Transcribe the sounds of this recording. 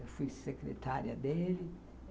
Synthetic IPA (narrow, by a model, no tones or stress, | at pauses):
fusekɾḛt̪aɾjad̪eɾi